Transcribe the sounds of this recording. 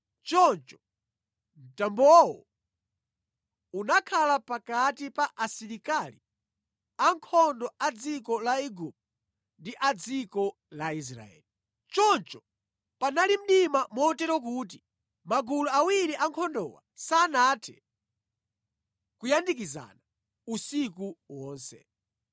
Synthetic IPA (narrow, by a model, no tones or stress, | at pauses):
t͡ʃɔnt͡ʃɔ̥ | m̩tambɔwɔ̰ | unakʰalapakatipaʔasiɾikali | aŋkʰɔndɔad͡zikɔlaiɡup̚ | ndiʔad͡zikɔ | lais̬ɾa̰ɛ̰ːli | t͡ʃɔnt͡ʃɔ | panalim̩ɗimamɔːtɛɾɔk̬ut̬i | maɡuluawiɾiʔaŋkʰɔndɔ̰wa̰saːnatʰɛ̰ | kujandik̬iza̰na | usik̬uwɔːnsɛ̰